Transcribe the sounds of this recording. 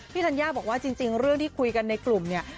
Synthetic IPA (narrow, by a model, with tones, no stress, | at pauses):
tʰiː˥˩a˧njaː˥˩bɔː˨˩k̚waː˥˩t͡ɕi˧ŋt͡ɕi˧ŋɾɯ˥˩əŋt̪ʰiː˥˩kʰu˧jka˧nːa˧jklu˨˩mni˥˩ɐ